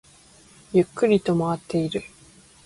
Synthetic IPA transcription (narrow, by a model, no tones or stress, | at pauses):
jɯkːɯɾʲit̪o̞maat̪ːe̞iɾɯ̟